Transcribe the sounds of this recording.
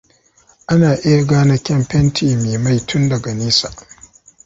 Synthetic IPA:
ʔa˦naː˨ʔɪ˦ja˨ɡaː˦na˦kʲɛ˦mɸɛ˦ntʰiː˨meː˨ma˦˨jtʰʊ˦ndɐ˨ɡa˨niː˦sa˨ʔ

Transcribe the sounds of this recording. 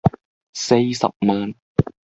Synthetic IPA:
se˧˩sa̰˨˩p̚mɤː˨˦˥n

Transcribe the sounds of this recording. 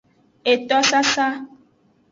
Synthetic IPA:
e˨t̪ɔ˦sa˦sa˦

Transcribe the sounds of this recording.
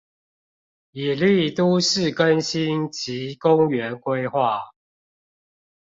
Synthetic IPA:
i˨˩li˥˨t̪u˦ʂɻ̩˥˨kə˦nɕi˦nt͡ɕʰi˨˦kʊ˦ŋɥɛ˨˦nkwe˦ɪxwa˥˨

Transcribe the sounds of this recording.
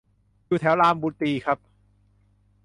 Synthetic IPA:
juː˧t̪ʰɛ˩˦wlaː˧mbuː˧˦t̪iː˧kʰa˦˥p̚

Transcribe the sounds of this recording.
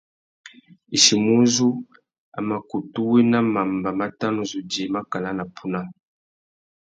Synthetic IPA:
i˨ʃi˨mu˦zu˦ | a̰˨ma˨ku˨tu˦wɛ˦na˦ma˨mba˨ma˦ta˦nu˨zu˨di˨e˨ma˦ka˨la˦na˨pʰu˦na˦

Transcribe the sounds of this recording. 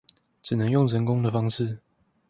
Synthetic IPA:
ʈ͡ʂɻ̩˨˩nə˧˦ŋjʊ˥˩ŋɻə˧˦nkʊ˦ŋd̪ə˨fɑ˥ŋʂɻ̩˥˨

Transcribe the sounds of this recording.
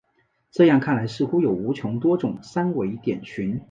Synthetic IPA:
ʈ͡ʂɤ˥˧jɑ˥˧ŋkʰa˥˩nla˧˥ɪʂɻ̩˥˩xu˥jo˨˩ʊu˧˥t͡ɕʰjʊ˧˥ŋt̪̬wɔ˥ʈ͡ʂʊ˨˩ŋsa˥nwe˧˥ɪt̪jɛ̰˨˩nt͡ɕʰy˧˥n

